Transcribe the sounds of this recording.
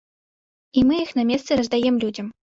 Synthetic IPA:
imɨjixnamʲɛst̪sɨɾɐzd̪ajɛmlʲud͡zʲɐm

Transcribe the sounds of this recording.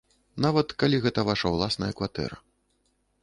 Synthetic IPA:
navɐt̪kalʲiɣɛt̪ɐvaʂɐwlˠasnɐjɐkvat̪ɛ̰ɾɐ̰

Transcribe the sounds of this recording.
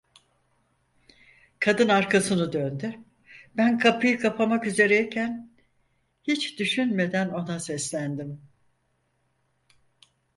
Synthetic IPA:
kʰad̪ɯnaɾkʰasɯnɯd̪ønd̪y | bænkʰapɯjɯkʰapʰamakyze̞ɾɛicʰæn | hit͡ʃd̪yʃynme̞d̪æno̞nasɛslʲænd̪im

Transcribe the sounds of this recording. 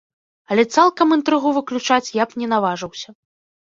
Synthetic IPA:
ɐlʲɛt̪salˠkɐmɨnt̪ɾɨɣuvɨklʲut͡ʂat͡sʲjapnʲɛnavaʐɨwsʲɐ

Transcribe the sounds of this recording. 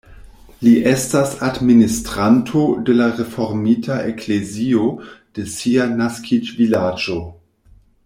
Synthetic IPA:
liʔestasadministɾantʰode̞laʁefo̞ɾmitʰaekʰleziod̥e̞sianaskʰid͡ʒvilad͡ʒo

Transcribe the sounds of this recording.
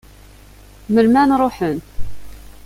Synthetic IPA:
məlmænɾˤoħən

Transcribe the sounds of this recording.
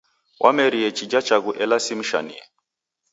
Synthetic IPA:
wʔamɛɾiɛt͡ʃid͡ʒat͡ʃaɣuʔɛlasim̩ʃa̰niɛ

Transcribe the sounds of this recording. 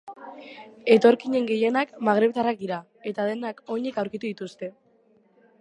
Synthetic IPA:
e̞t̪o̞ɾkiɲe̞ŋɡe̞je̞nakmaɣ̞ɾe̞βt̪arak̚d̪iɾa | e̞t̪aðe̞nako̞ɲe̞kawɾkit̪uðit̪ust̪e̞

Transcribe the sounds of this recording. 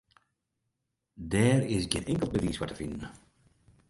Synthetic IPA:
dɛːrɪsɡɪ̰nɛŋkəlˠbəviːsʋatəfɪndən̩

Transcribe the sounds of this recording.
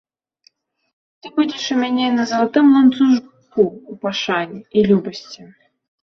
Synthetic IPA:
t̪ɨbudʲɛʂɨmʲanʲɛnɐzɐlˠat̪ɨmlˠant̪suʐ | kuːpaʂanʲiilʲubɐsʲt͡sʲi

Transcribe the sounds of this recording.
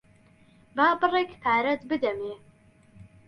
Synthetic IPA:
baːpɨrɛkpʰaːɾɛt̪bɨd̪ɛmeː

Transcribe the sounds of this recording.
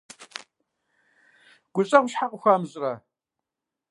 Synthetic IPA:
ɡ̥ʷʊɕʼɐwʷʃħaqʷʼʊxʷamzʼrɐ

